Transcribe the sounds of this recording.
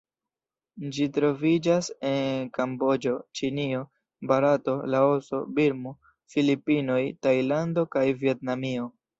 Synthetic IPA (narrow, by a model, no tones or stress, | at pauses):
d͡ʒitɾo̞vid͡ʒase̞nkambo̞d͡ʒo̞t͡ʃinio̞ | baɾato̞lao̞so̞biɾmu | filipino̞jtajlando̞kajvie̞tnamio̞